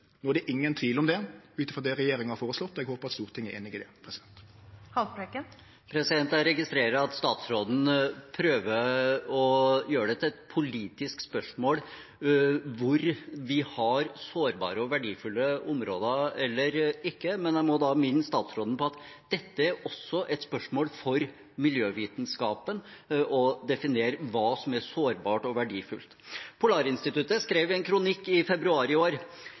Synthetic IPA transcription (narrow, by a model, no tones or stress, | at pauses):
noːæɖ̪ɛʔɪŋːənt̪ʰʋiːlɔmd̪ɛʉːt̪̩fɔʁd̪ɛɾɛjeːɾɪŋhɑɾfoːʁəslɔt̪ːɔɛɡhoːpəɾʁɑt̪st̪uːʁt̪ʰɪŋːəɾeːnɪɡɪd̪ɛpʰʁɛsɪd̪ɛnt̪hɑpɾekə | pʰɾɛsɪd̪ɛnt̪æɾɛɡɪst̪ɾeːɾəɑt̪st̪ɑːt̪sɾoːd̪n̩pʰɾøːʋəɔjøːɾəɖɛt̪ʰɪlɛt̪pʰʊliːt̪ɪskspœʂmoːl | ʋʊɾʋɪhɑɾsoːɾbɑ̰ːɾəɔʋæɖiːfʉlːəʊmɾo̰ːd̪ɑɛlːəɾɪkːəmɛnæɪmɔd̪ɑmɪnːəst̪ɑːt̪sɾɔːd̪ən̩pɔɑt̪d̪̥ɛt̪ːəæɾɔsːɔʔɛt̪spœʂmoːlfɔɾ | mɪljøːʋiːt̪n̩skɑːpənʔɔd̪ɛfɪneːɾəʋɑːsɔmæsoːɾbɑːʈɔʋæɖiːfʉlt̪pʰʊlɑːɾɪnst̪ɪt̪ʉt̪əskɾeːʋɛnkʰɾʊnɪkːɪfɛbɾʉɑːɾɪoːɾ